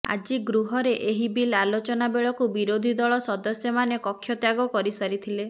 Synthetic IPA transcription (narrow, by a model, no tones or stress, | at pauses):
a̰d͡ʒiɡɾuɦɔɾeʔeɦibilalot͡ʃɔnabeɭɔkubiɾod̪ʱid̪ɔɭɔsɔd̪ɔsjɔmanekɔkʰːjɔt̪jaɡɔkɔɾisaɾit̪ʰile